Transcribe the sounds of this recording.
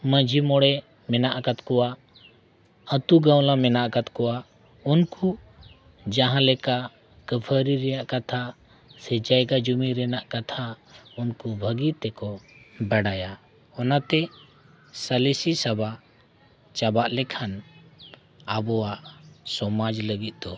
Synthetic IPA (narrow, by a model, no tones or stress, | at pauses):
mə̃d͡ʒʱimɔɽɛ | mɛnaʔkat̪kɔwa | ət̪uɡãw̃lamɛnaʔkat̪kɔa | unku | d͡ʒaɦãlɛka | kəpʰəɾiɾɛjaʔkat̪ʰa | sɛd͡ʒajɡad͡ʒumiɾɛnaʔkat̪ʰa | unkubʱəɡit̪ɛkɔbɛɽaja | ɔnat̪ɛ | səlisisaba | t͡ʃabaʔlɛkʰan | abɔwaʔsɔmad͡ʒləɡit̪̚d̪ɔ